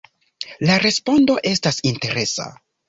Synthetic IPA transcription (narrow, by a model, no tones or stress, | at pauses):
laɾe̞spo̞ndo̞ʔe̞stasinte̞ɾe̞sa̰